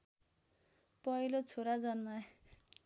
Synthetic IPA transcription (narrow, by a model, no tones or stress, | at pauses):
pʌjlot͡sʰoɾad͡zʌnma